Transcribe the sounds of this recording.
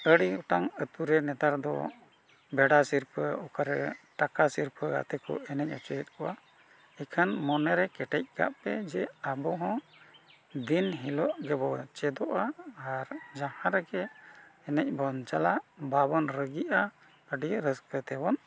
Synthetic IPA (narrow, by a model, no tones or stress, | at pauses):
əɖiuʈaŋət̪uɾɛnɛt̪aɾd̪ɔ̰ | bɛɖasiɾpʰəɔkaɾɛʈakasiɾpʰəɡa̰t̪ɛkɔ̰ɛnɛc̚ˀɔt͡ʃəjɛt̪̚kʰɔʔa | ɛkʰanmɔnɛɾɛkɛʈɛc̚ka̰ʔpɛd͡ʒɛabɔɦɔ̃ | d̪inɦilɔʔɡɛbɔt͡ʃɛd̪ɔʔaːɾd͡ʒãhãɾɛɡɛːnɛc̚ˀbɔnt͡ʃalaʔbabɔnɾəɡiʔa | əɖiɾəskət̪ɛbɔn